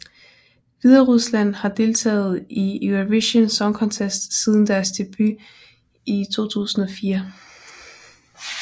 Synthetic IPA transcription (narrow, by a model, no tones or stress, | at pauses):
ʋiðˠɐʁuslæn̰hɑ̈d̥e̝lt͡sʰɛ̰ːð̞̩ˠiuʋeɕənsɒ̽ŋkʰɒ̽nt͡sʰesd̥sið̞ˠn̩d̥æɐsd̥e̝b̥y | it͡sʰo̝̰ːt͡sʰṵːsn̩ɒ̽fiːɐ